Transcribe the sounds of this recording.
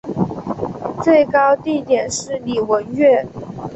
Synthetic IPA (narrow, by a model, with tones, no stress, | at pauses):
t͡swe˥˩ɪkɑ˥ʊt̪i˥˩t̪jɛ˨˩nʂɻ̩˥˩li˨˩wə˧˥nɥɛ˥˩